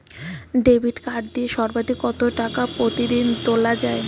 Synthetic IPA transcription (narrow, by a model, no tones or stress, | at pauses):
ɖebʱiʈkaʈ̚d̪ieʃɔɾbad̪ʱikːɔt̪oʈakapɾot̪id̪int̪olad͡ʑae